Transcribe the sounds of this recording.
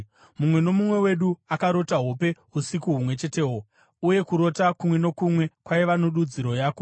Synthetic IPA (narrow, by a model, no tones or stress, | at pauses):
mumwe̞no̞mumwe̞we̞ɗuakaɾo̞taɦope̞ | usikuɦumwe̞t͡ʃe̞te̞ːɦo | uje̞kuɾo̞takumwe̞no̞kumwe̞kwajiʋanoɗud͡ziɾo̞jaːko